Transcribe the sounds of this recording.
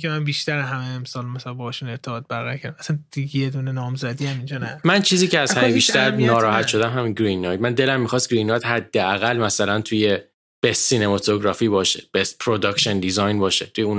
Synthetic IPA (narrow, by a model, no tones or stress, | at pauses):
kʲemænbiːʃt̪æɾeɦæmeːmsɒːlmæsælæbɒhɔʃune̞ɾt̪ʰeɣɒːt̪̚bæɾɣækʰʲæɾd̪æmæsænd̪̥ijed̪uːnenɒːmzæd̪iæmind͡ʒɒnæmænt͡ʃʰiːziːcʰeæzhæmebiʃt̪æɾnɒːɾɒːhæt̪ʃo̞d̪æmɦæminɡɾinːɒj̪mænd̪e̞læmːixɒst̪ɡɾinːɒjd̪hæd̪ːeæɣælmæsælænt̪ʰuje | b̥esːinemɒt̪ʰoɡɾɒːfiːbɒːʃeb̥est̪pʰɾod̪ɒkʃend̪izɒjnbɒːʃet̪ʰujeun